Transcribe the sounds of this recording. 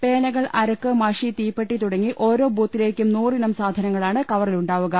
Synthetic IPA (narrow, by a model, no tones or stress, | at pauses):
pe̞ːnɐɣɐɭʔɐɾɐkːɨmɐʂit̪iːpːeʈːit̪uɽɐŋːiʔo̞ːɾo̞ːbʱuːt̪ːile̞ːkʲːumnuːrinɐmsaːd̪ʱɐnɐŋːɐɭaːɳɨkɐʋɐriluɳɖaːʋuɣɐ